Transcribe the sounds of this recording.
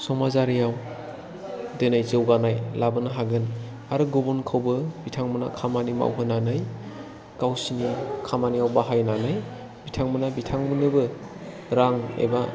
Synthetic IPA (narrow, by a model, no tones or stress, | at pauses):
sɔmazaɾijaw | denajzɯwɡanajlabɯnaɦaɡɯn | aɾɯɡubunkʰɯwbɯbitʰaŋmɯna̰kʰamanima̰wɦɯnanɯj | kawsinikʰamanijawbaɦajnanɯj | bitʰaŋmɯnabitʰaŋmɯnɯbɯ | ɾaŋḛba